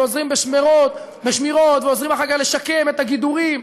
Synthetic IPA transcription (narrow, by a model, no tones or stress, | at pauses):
ozʁimbeʃmeʁot̪ | beʃmiʁo̞t̪veozʁimaχaɡaχle̞ʃake̞met̪aɡid̪uʁim